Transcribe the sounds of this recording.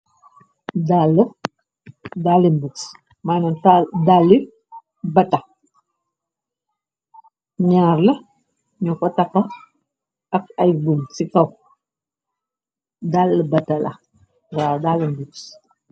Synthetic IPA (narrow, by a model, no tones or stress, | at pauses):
dalːɐ | dalːimbuks | maːnɐndalːi | bɐtːɐ | ɲaːrlɐ | ɲukɔtɐkːɐ | ɐk̚ɐjbumsikɐw | dalːbɐtːɐlɐ̰ | waːdalinbuks